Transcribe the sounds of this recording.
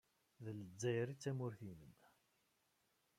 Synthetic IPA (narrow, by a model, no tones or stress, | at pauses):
ðələd͡zːæjɾit͡sːæmʊɾθiməm